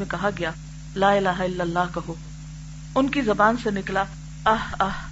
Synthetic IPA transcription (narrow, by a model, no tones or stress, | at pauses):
ẽkɐɦaɡɐjaː | laːɪlaːɦaɪlːəlːaːɦkɐɦoː | ʊnkizɐbaːnsenɪkla | ɐɦɐh